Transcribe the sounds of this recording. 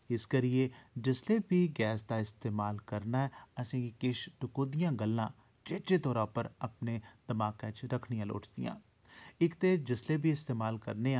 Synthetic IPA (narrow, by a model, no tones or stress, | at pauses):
ɪskəɾɪeːd͡ʒɪsleːbʱiːɡɛːsd̪aːɪst̪eːmaːlkəɾnaːɛːəsĩːkɪʃʈʊkoːd̪ɪjãːɡəlːãː | d͡ʒeːt͡ʃeːt̪ɔːɾãːpəɾəpneːd̪əmaːkãːt͡ʃɾəkʰnijãːlo̰ːʈd̪ɪ̰jã̰ː | ɪkt̪eːd͡ʒɪsleːbiːɪst̪eːmaːlkə̰ɾneːa